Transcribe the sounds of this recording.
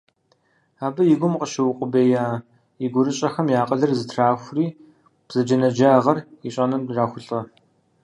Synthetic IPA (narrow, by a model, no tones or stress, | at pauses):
aːbɨjɪɡʷʊmqəʃɐwʊqʷʼʊbeːjaː | iɡʷʊɾɨɕʼɐxɐmjaːqʼəɮɐrzɨtʰraːxʷriː | b̥z̥ɐd͡ʒɐnɐd͡ʒaːʁɐriɕʼɐnɨmraːxʷʊɬʼɐ